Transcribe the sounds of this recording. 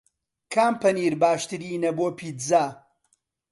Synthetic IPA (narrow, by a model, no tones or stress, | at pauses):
kʰaːmpɐniːɾbaːʃt̪ɨɾiːnɐboːpʰiːt̪zaː